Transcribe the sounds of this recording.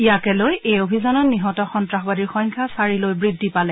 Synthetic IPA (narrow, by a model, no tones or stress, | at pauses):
ijakɛlojejobʱizanɔtniɦɔtɔxɔntɹaxbadiɹxɔjŋkʰasaɹilojbɹidʱːipalɛ